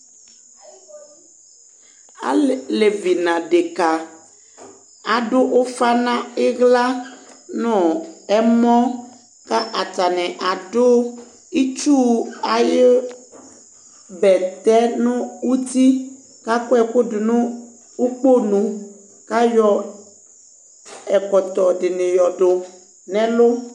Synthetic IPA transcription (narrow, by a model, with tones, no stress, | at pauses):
a̰˦le˨vi˨nã˨ɖe˨ka˨ | a˨ɖo˦ʔo˦fa˦nã˦e˦ɣla˦nɔ̃˨ɛ˨mɔ̃˦ | ka˦ʔa˨t̪a˨nɛ̃˨ʔa˨ɖo˦ | i˦t͡ʃu˦a˨jɪ˦ | bɛ˨t̪ɛ˦nʊ̃˦wu˦t̪i˦ | ka˦kʊ˦ɛ˨kʊ˦dʊ˨nʊ̃˦ | u˦k͡po˦nũ˨ | ka˦jɔ˦ | ɛ˨kɔ˨t̪ɔ˨ɖɪ˨nɪ̃˨jɔ˨ɖʊ˨ | nɛ̃˦lʊ˦